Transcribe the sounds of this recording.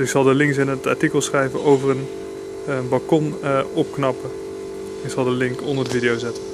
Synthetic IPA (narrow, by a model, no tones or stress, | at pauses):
ɪksɑlˠdəlɪŋksɪnɦətɑɹtikəlˠsχrɛjvəʔowvərən | bɑlˠkɔnɔp̚knɑpə | ɪksɑlˠdəlɪŋkɔndəɹdəvidɪjowzɛtən